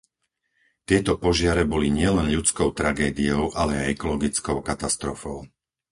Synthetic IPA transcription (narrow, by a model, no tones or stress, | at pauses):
t̪ɪɛt̪ɔpɔʒɪaɾɛbɔliɲɪɛlɛnʎut͡skɔʊt̪ɾaɡɛːd̪iɔʊʔalɛajɛkɔlɔɡit͡skɔʊkat̪ast̪ɾɔfɔʊ